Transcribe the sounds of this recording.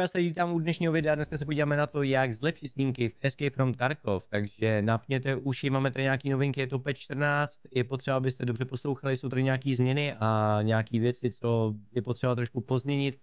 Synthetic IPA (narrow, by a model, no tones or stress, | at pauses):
jaːsɛviːt̪aːmudnɛʃɲiːɦovɪdɛadnɛskasɛpo̞ɟiːvaːmɛnat̪o̞jaɡzlɛpʃɪsɲiːŋkɪfɛskɛjpɾomt̪aɾkoft̪aɡʒɛnapɲɛt̪ɛʔuʃjɪmaːmɛt̪adɪɲaːkiːno̞vɪŋkɪjɛt̪o̞pɛt̪t͡ʃt̪r̩naːt͡st̪jɛpot̪r̥ɛbaabɪst̪ɛdobr̝ɛpo̞slowxalɪsowt̪adɪɲaːkiːzmɲɛnɪʔaɲaːkiːvjɛt͡sɪt͡sojɛpot̪r̥ɛbat̪ɾoʃkupo̞zmɲɛɲɪt̪